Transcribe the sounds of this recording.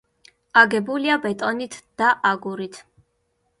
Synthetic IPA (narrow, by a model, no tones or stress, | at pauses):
aɡɛbuliabɛt̪ʼɔnit̪ʰd̪̥aʔaɡuɾit̪ʰ